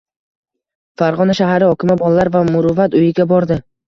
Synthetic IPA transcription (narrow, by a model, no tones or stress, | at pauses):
faɾʁɒnaʃaɦaɾɪɒkʲɪmabɒlˠaːaɾvamʊɾʊvat̪ʊjɪɡʲabɒɾd̪ɪ